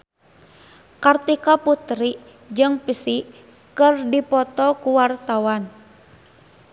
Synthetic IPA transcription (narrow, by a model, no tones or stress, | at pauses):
kart̪ikaput̪ɾi | d͡ʒɨŋpisi | kɨrdipɔt̪ɔkuwart̪awan